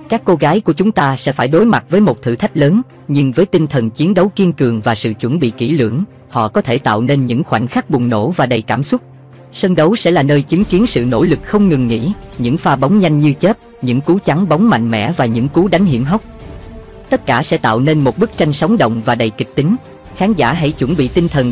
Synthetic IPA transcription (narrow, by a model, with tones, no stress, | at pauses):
kaː˦˥kːo˧ɣaː˨˦jku˧˩ət͡ɕʊ˨˦ŋ͡mt̪aː˧sɛ̰˧˥faː˧˩jɗo˨˦jma˨˩t̚vəː˨˦jmo˨˩t̚t̪ʰɨ˧˩t̪ʰa˦˥jk̟̚ləː˨˦n | ɲɨ˧ŋvəː˨˦jt̪i˧nt̪ʰə˨˩nt͡ɕi˨˦nɗə˨˦wki˧ənkɨ˨˩əŋvaː˨˩sɨ̰˧˨t͡ɕwə˧˩nɓḭ˧˨ki˧˩lɨ̰˧˩əŋ | hɔ̰˧˨kɔ˨˦t̪ʰe˧˩t̪a̰ː˧˨wne˧nɲɨ̰˧˥ŋxwa˧˩jŋ̟xa˦˥k̚ɓʊ˨˩ŋ͡mno̰˧˩vaː˨˩ɗə˨˩jkaː˧˩msʊ˦˥t̚ | sə˧nɗə˨˦wsɛ̰˧˥laː˨˩nəː˧jt͡ɕɨ˨˦ŋki˨˦ənsɨ̰˧˨no̰˧˥lɨ˨˩k̚xə˧wŋ͡mŋɨ˨˩ŋːḭ˧˥ɲɨ̰˧˥ŋfaː˧ɓa˨˦wŋ͡mɲa˧jŋ̟ɲɨ˧t͡ɕe˦˥t̚ | ɲɨ̰˧˥ŋku˨˦t͡ɕa˨˦ŋɓa˨˦wŋ͡mma̰˧˨jŋ̟mɛ̰˧˥vaː˨˩ɲɨ̰˧˥ŋku˨˦ɗa˨˦jŋ̟hi˧˩əmɦa˦˥wk͡p̚ | t̪ə˦˥t̚kaː˧˩sɛ̰˧˥t̪a̰ː˧˨wne˧nmo˨˩t̚ɓɨ˦˥k̚t͡ɕa˧jŋ̟sɔ˨˦wŋ͡mɗə̰˧˨wŋ͡mvaː˨˩ɗə˨˩jkï˨˩k̟̚t̪ï˨˦ŋ̟ | xaː˨˦nzaː˧˩ɦa̰˧˥˩jt͡ɕwə˧˩nɓḭ˧˨t̪i˧nt̪ʰə˨˩n